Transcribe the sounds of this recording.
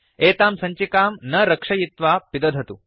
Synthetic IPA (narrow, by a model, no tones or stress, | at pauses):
eːt̪aːmsɐɲt͡ʃikaːmnɐɾɐkʂɐjit̪ʋaːpid̪ɐd̪ʱɐt̪u